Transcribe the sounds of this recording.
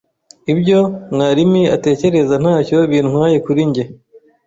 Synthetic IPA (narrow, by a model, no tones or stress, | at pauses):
ibɟo̞mŋaːɾimiate̞ːce̞ɾe̞zan̥haːco̞βiːnŋwaːje̞kuɾiɲɟe